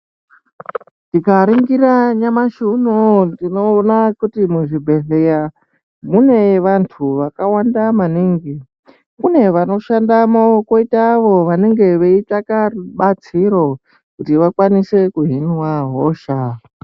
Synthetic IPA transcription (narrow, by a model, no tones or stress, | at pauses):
ndikaɾiŋɡiraɲamaʃunundinoːnakutimuʐibʱe̞ɮe̞ja | mune̞ʋantʰuʋakawandamaniŋɡi | kune̞ʋano̞ʃandamokoitaʋo̞ʋane̞ŋɡe̞ʋeitakariɓat͡siɾo̞ | kutiʋakwanise̞kuɦinwaɦoʃa